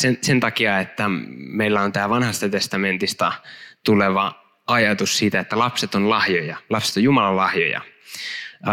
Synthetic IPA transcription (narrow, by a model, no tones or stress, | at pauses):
sensent̪ɑkiɑet̪ːæmeilːæont̪æːʋɑnhɑst̪ɑt̪est̪ɑment̪ist̪ɑ̰t̪uleʋɑ | ɑjɑt̪ussiːt̪æet̪ːælɑpset̪onlɑhjojɑlɑpse̥t̪ojumɑlɑllɑhjo̰jɑ̰